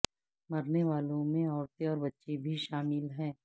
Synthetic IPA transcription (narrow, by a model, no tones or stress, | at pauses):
mɐɾneʋaːlõmẽɔːɾt̪eɔːɾbɐtːʃebʱiʃaːmɪlɦɛ̃ː